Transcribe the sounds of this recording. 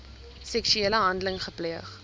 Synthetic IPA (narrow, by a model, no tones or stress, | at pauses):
sɛksyeːləɦɐndələŋχəpliəχ